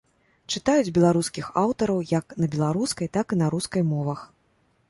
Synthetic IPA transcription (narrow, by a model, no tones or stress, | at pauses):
t͡ʂɨt̪ajud͡zʲbʲɛlˠaɾuskʲixawt̪ɐɾɐwjaknɐbʲɛlˠaɾuskɐjt̪akinaɾuskɐjmɔvɐx